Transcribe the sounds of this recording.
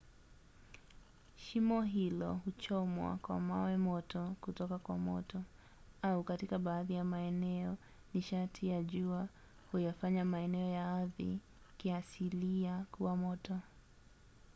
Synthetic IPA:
ʃimɔɦilɔhut͡ʃɔmwa̰kwa̰mawɛmɔtɔkutɔkakwa̰mɔ̰tʰɔ | aukatikaɓaːðijamaɛnɛɔ | niʃatʰijaʄua | hujafaɲamaɛnɛɔjaaðḭ | kiasiliakuwamɔtɔ

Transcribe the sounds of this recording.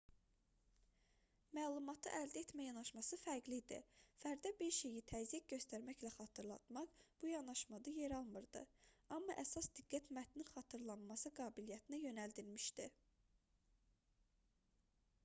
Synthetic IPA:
mæːlˠumɑt̪ʰɯʔæld̪æet̪mæjɑnɑʃmɑsɯfæɾɡlid̪ḭfæɾd̪æbiɾʃe̞jit̪ʰæzjik̚ɟø̞st̪æɾmæçlæχɑːt̪ʰɯɾlˠɑ̰t̪mɑχb̥ujɑnɑʃmɑd̪ɯje̞ɾɑlˠmɯɾd̪ɯ̰ɑmːɑʔæsɑsd̪iɡːæt̪mæt̪ʰninχɑt̪ʰɯɾlˠɑnmɑsɯɡɑːbilijæt̪ʰinæjø̞næld̪iɾmiʃd̪i

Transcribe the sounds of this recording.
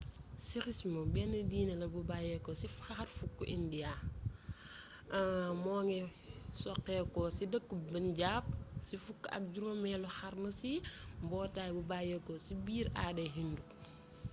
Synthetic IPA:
siɾismɐbɛnədiːnɐlɐbubaːjɛkɔsifaxɐɾfukːṵʔindia | mɔːŋɛ | sɔkːɛkɔsidəkːubɐnɟaːp̚sifukːɐ̰k̚ɟuɾomɛlɔxaɾmɐsimbɔːtaːjbubajɛkɔsibiːɾaːdɛɦindu

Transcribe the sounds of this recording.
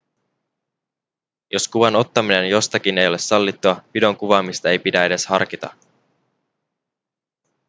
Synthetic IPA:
jo̞skuʋɑno̞t̪ːɑmine̞njo̞st̪ɑk̟ine̞jo̞le̞sɑlːit̪ːuɑpido̞ŋkuʋɑːmist̪ɑe̞jpidæe̞de̞shɑ̰rk̟it̪ɑ̰

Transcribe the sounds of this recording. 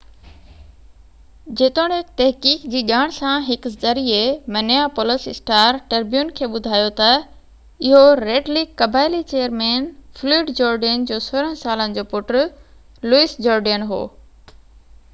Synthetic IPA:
d͡ʑeːt̪oːɽ̃et̪ɐɦkiːkd͡ʑiːɠaːɽ̃sãɦɪkzɐɾiemɐnjapoləsɪsʈaːɾʈɐɾbjuːnkʰeːɓʊd̪ʱaːjot̪ɐ | ɪɦoɾeːɖliːɐbaːɪlit͡ɕeːjəɾmeːnfluːɖd͡ʑoːɾɖənd͡ʑoːsoːɾə̃ɦsaːlənɪ̆d͡ʑoːpʊʈɾ | luisd͡ʑoːɾɖənɦo̰ː

